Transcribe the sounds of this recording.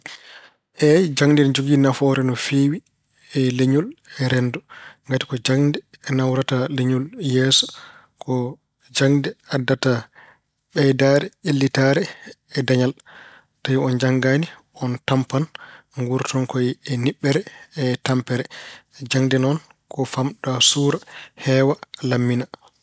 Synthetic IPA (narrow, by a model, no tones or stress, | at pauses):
ʔɛd͡ʒaŋdɛnd͡ʒoɡinafɔɾɛnɔfeːwi | ɛleɲulɛɾɛndɔŋɡati̥kɔd͡ʒaŋdɛːnawɾataleɲuljɛsɔ̥ | kʰɔ | d͡ʒaŋdɛadːata | ɓɛjdaɾɛelːitaɾɛː | daɲal | tajiɔnd͡ʒaŋɡani | ɔntampan | ŋɡuɾtʰɔnkɔjɛniɓːɛɾɛːtampɛɾɛd͡ʒaŋdɛnɔn | kɔfamɗasuːɾahɛwalamːina